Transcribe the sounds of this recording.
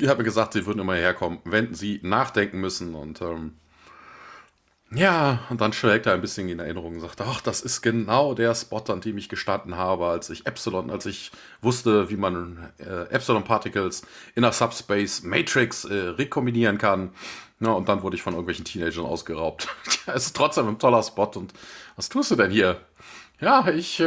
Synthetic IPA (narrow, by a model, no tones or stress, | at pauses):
ʔɪçhat̚miɐɡəzaːχktz̥iːvʏɐdn̩ʔɪmɐhiheːɐkʰɔmənvɛnziːnaːχd̥ɛŋkŋ̩mʏsn̩ʊ̰ntʔɛːm | jaːʊntd̥anʃʁ̥ɛːk̚təaɪnbɪsçənɪnɛɐʔɪnəʁ̞ʊŋʊntzaːktəaχd̥asɪstɡ̥ənaʊdeːɐspɔtandeːmɪçɡ̥əʃtandn̩ɦaːbəalsɪçʔɛpsɪlɔnʔa̰lsɪç | vʊstəviːmanɛ̰ːʔɛpsɪlɔnpʰaɐtɪkəl̩s | ʔɪnɐsapspɛɪsmeɪtʁ̥ɪksʔɛːʁekʰɔmbiniːʁ̞ənkʰan | nəʊnt̚d̥anvʊɐɾəɪçfɔnʔɪɐɡŋ̩tvɛlçn̩tʰiːneɪd͡ʒɐnʔa̰ʊsɡ̥əʁaʊp̚taɛsɪ̥stʁ̥ɔt͡sd̥eːmantʰɔlɐspɔtʊntvastʰuːstd̥uːdɛnhiːɐ | jaːɪç